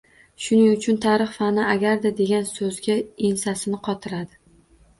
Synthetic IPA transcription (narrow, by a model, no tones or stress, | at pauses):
ʃʊnɪŋʊt͡ʃʰʊnt̪ʰaɾɨχfanɪaɡʲaɾd̪ad̪e̞ɡʲansɵzɡʲaensasɪnɪqʰɒt̪ʰɪɾad̪ɪ